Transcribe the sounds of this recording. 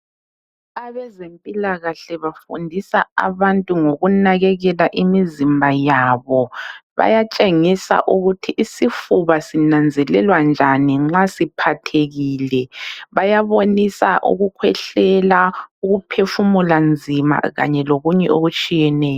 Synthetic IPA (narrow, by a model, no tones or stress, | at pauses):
aβɛzempʼilaɣaɬɛβafṵndʱisaa̰βantʼuŋoɣunaɣɛɣɛlaʔimizimbʱajaβɔβa̰jat͡ʃʼeŋisa̰ʔuɣutʰiʔːsifuβasinand͡zʱɛlɛlwand͡ʒʱaniŋ͡ǁasipʰatʰeɣiːlɛβajaβonisa̰ʔṵɣukʰwɛɬɛlauɣupʰefumuland͡zʱima̰ɣa̰ɲɛloɣuɲɛoɣut͡ʃʼijɛnɛːjɔ